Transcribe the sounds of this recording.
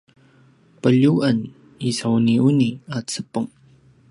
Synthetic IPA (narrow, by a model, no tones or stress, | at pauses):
pəʎuʔən | isauniuniat͡səpəŋ